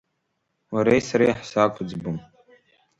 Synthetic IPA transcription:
waɾejsaɾajħsakʷʰʼʊd͡zbɨm

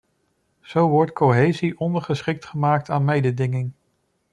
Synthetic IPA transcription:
z̥owʋɔɹtkowɦejziʔɔndəɹχəsχɪk̚tχəmaːk̚taːnmejdədɪŋɪŋ

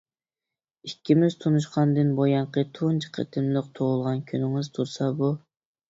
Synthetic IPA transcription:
ikʲːimɪzt̪ʰunuʃqʰɑnd̪ɨnbojɑɴqʰət̪ʰunt͡ʃʰqʰḛt̪ʰɪmlˠəq̚t̪ʰoʁʊlˠʁɑnkʲʰønɪŋɨzt̪ʰuɾsɑbu

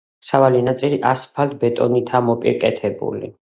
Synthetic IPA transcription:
savalinat̪sʼiliʔaspʰalt̪̚ʰbɛt̪ʼɔnit̪ʰamɔpʼḭɾkʼɛt̪ʰɛbṵlḭ

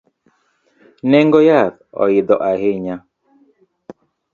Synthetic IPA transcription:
nɛŋɡɔjatɔ̰ɪd̪ɔʔaheɲa

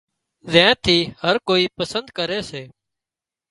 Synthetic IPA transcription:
zẽːt̪ʰiːhəɾkoːiːpəsənd̪kəɾeːseː

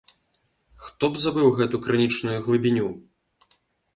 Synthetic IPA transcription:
xt̪ɔbzabɨwɣɛt̪ukɾɨnʲit͡ʂnujuɣlˠɨbʲinʲu

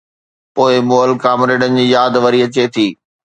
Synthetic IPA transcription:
poːɪmoːəlkaːmɾeːɖənɪ̆d͡ʑiːjaːd̪ʋɐɾiɐt͡ɕet̪ʰiː

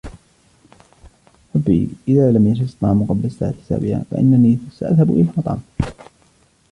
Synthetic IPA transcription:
ħˤɑbːḭʔɪðaːlamjaʃɪst̪ˤːɑːmʊqɑblasa̰ːʕat̪ɪ̥sa̰ːbɪʕa̰fa̰ʔɪ̰nːaniːsaʔa̰ðhabʔɪlamɑt̪ˤɑ̰ːm

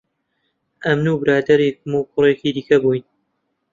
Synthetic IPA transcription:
ʔɐmnubɨɾaːd̪ɐɾik̚mukʰʊrekiːd̪iːkɐbujn

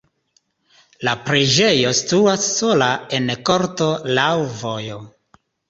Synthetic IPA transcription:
lapɾed͡ʒe̞jo̞stuasːo̞lae̞nko̞ɾtolawvo̞jo̞

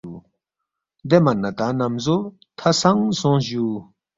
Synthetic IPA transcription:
u | d̪emɐnːɐt̪anɐmzo | t̪ʰɐsɐŋsõːɕuː

